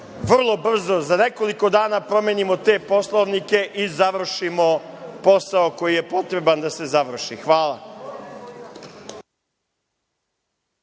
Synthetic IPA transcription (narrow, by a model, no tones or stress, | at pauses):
ʋr̩lˠo̞br̩zo̞zane̞ko̞liko̞d̪aːnapɾo̞meːnimot̪e̞ːpo̞slˠoʋnike̞ʔizaʋr̩ʃimo̞po̞saoko̞jije̞po̞t̪ɾe̞band̪ase̞zaʋr̩ʃḭxʋaːlˠa̰